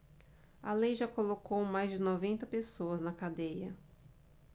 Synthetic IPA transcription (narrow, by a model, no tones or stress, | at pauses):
ɐlejʒakolokowmajzd͡ʒɪnɔvẽnt̪ɐpesoɐznɐkad̪ejɐ